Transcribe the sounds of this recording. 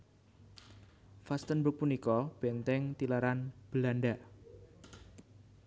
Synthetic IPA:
fast̪ənbuk̚punikɔb̥ent̪ɛŋt̪ilaɾanb̥əlanɖa

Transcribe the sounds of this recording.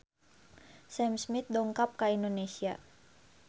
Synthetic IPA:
sɛmsmit̪̚dɔŋkap̚kaindonesia

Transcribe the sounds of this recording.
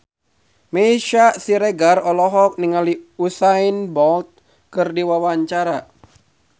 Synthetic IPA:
mɛiʃasiɾɛɡarɔlɔɦɔk̚niŋaliusainbɔlt̪̚ | kɨrdiwawaɲt͡ʃaɾa

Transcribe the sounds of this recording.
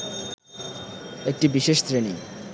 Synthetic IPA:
ek̚ʈibiʃeʃtɾeni

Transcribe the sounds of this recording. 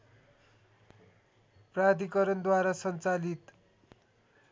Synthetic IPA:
prad̪ikʌɾʌnd̪waɾasʌnt͡salit̪

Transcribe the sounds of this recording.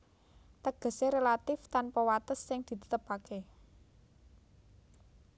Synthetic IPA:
t̪əɡ̥ə̤seɾelat̪ɪft̪anpɔwat̪əsːɪŋd̪̥i̤t̪ə̥t̪əpake

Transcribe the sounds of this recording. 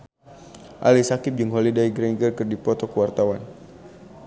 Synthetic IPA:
ʔa̰lisakɪp̚d͡ʒɨŋɦolidaiɡɾɛŋɡərkɨrdipɔt̪ɔkəwart̪awan

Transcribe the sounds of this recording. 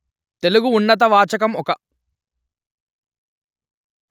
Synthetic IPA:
t̪e̞luɡuːnːɐt̪̬ɐʋaːt͡ʃɐk̬ɐmɔkɐ

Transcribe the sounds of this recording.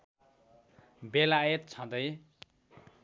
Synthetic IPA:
belajet̪̚t͡sʰʌ̃d̪ʌj

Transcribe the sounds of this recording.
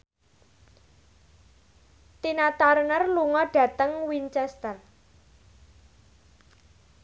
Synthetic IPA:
t̪inat̪aɾnərluŋɔɖ̥ä̤t̪əŋwiɲt͡ʃɛst̪ər

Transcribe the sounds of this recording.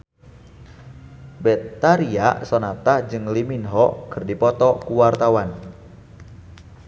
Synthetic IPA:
bɛt̪ːaɾiaʔsɔnat̪ahd͡ʒɨŋliminɦɔkʰərdipɔt̪ɔkuwart̪awan

